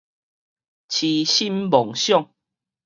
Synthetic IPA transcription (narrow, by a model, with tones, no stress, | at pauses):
t͡ɕʰi˨ɕi˦mbɔ˨˩ŋɕjɔ˥˨ŋ